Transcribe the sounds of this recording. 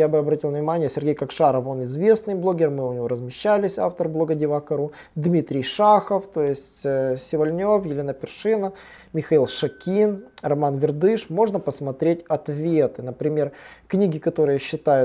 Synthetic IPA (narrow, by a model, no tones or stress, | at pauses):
jabɨɐbɾɐtʲilˠvnʲɪmanʲɪjəsʲɪrɡʲejkɐkʂaɾəvo̞nɪzvʲe̞snɨjblˠo̞ɡʲɪrmɨʊnʲɪvo̞ɾəzmʲɪɕːælʲɪsʲa̰ft̪ərblˠo̞ɡədʲɪvakɐɾu | d̪mʲit̪ɾʲɪjʂaxəft̪o̞jɪsʲtʲːsʲɪvɐlʲnʲo̞fjɪlʲenəpʲɪrʂɨnə | mʲɪxɐilˠʂɐkʲinrɐmanvʲɪrd̪ɨʂmo̞ʐnəpəsmɐt̪ɾʲetʲɐt̪vʲet̪ɨn̪əpɾʲɪmʲerknʲiɡʲɪkɐt̪o̞ɾɨjəɕːɪt̪ajʊ